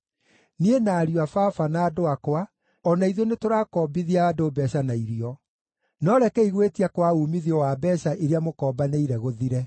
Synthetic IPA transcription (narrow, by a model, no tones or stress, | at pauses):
nienaːɾiwafafanaːdoakwa | ɔnaiðonetoɾaːkɔːbiðiaːdobɛɕanaiɾiɔ | nɔɾɛkɛiɣwetiakwauːmiðiɔwabɛɕaʔeɾeamokɔːbaneiɾɛɣoðiɾɛ